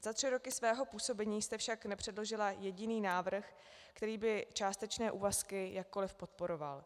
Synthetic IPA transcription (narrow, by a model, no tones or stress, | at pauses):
z̥at̪r̝̥ɪɾo̞kɪsvɛːɦo̞puːso̞bɛɲiːst̪ɛfʃaknɛpr̝̥ɛdlo̞ʒɪlajɛɟɪniːnaːvr̩x | kt̪ɛɾiːbɪt͡ʃaːst̪ɛt͡ʃnɛːʔuːvaskɪjak̚ːo̞lɪfpo̞t̪po̞ɾo̞va̰l